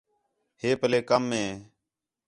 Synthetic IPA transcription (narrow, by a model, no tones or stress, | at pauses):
heːpəleːkəmːẽː